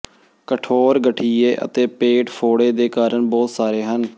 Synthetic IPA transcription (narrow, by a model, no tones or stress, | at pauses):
kəʈʰoːɾɡəʈʰiːeːʔə̰t̪eːpeːʈfʰoːɽeːd̪eːkaːɾəɳbɔːt̪saːɾeːɦən